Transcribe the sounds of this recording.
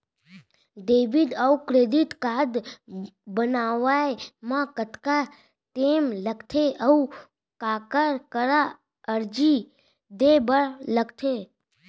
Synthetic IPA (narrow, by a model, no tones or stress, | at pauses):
d̪eʋid̪əukɾed̪it̪kad̪ | bənaʋaemãkət̪ka | t̪emləɡt̪ʰeʔəu | kakəɾkəɾa | əɾd͡ʒi | d̪ebəɭləɡt̪ʰe